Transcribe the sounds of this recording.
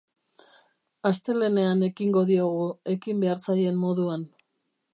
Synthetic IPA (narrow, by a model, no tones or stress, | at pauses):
ast̪e̞le̞ne̞ane̞kiŋɡo̞ðioɣ̞ue̞kimbe̞aɾsaje̞mːo̞ðuan